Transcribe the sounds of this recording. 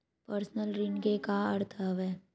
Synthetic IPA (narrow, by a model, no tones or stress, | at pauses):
pəɾsnəlɾɪɳɡekaɐɾt̪ʰəʋɛː